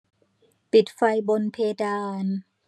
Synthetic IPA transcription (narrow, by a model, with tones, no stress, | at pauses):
pi˨˩t̪̚fa˧jbo˧npʰeː˧daː˧n